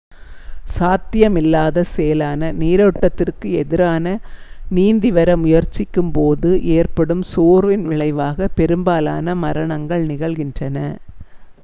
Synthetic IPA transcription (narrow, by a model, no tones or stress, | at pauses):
saːt̪ːɪjɐmɪlːaːðɐsɛjɐlaːnɐniːɾɐɯʈːɐt̪ːɪrkɯɛðɪɾaːnɐniːnd̪ɪʋɐɾɐmʊjɐɾt͡ʃːɪkːɯmpoːðɯʔeːrpɐɽɯmsuːɾʋɪnʋɪɭɐɪʋaːɣɐpɛɾɯmbaːla̰ːnɐmɐɾɐɳɐŋɡɐɭnɪɣɐɭɣɪndrɐnɐ